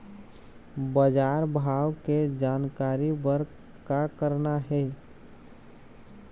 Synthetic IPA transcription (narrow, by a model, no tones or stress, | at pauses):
bəd͡ʒaːɾbʱawked͡ʒaːnkaɾibəɾ | kakəɾnaɦɛ